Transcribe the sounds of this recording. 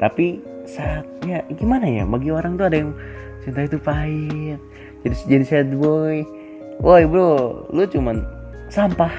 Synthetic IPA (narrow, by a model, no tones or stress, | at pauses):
t̪apisaːt̪̚jaɡimanaja̰baɡioɾaŋt̪uadajaŋ | t͡ʃint̪ait̪upaɪt̪̚ | d͡ʒadisd͡ʒadisɛt̪̚bɔj | ʔojbɾolut͡ʃuman | sampah